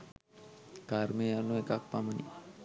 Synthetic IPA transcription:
kaɾmeanuekak̚pamənḭ

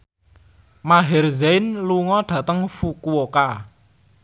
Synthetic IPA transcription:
maɦɛrzejnluŋɔɖ̥a̤t̪əŋfukuoka

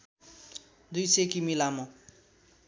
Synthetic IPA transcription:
d̪ujsekimilamo

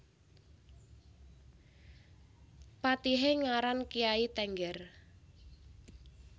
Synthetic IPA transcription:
pat̪iɦeŋaɾankijait̪ɛŋɡɛr

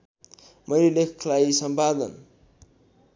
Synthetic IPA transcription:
mʔʌjlelekʰkʰlaisʌmpad̪ən

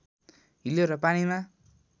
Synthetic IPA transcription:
ɦiloɾʌpanima

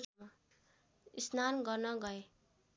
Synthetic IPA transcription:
a | isnanɡʌrnʌɡʌe

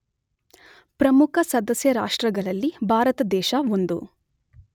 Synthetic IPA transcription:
pɾɐmukʰɐsɐd̪ɐsjɐɾaːʂʈɾɐɡɐɭɐlːibʱaːɾɐt̪ɐd̪ɛːʃɐond̪u

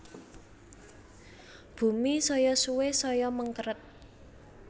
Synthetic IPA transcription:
b̥ṳmisɔjɔsuwesɔjɔməŋkəɾət̪̚

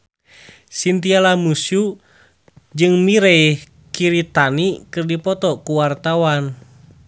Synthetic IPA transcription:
sint̪ialamusu | d͡ʒɨŋmiɾɛi | kiɾit̪anikɨrdipɔt̪ɔkuwart̪awan

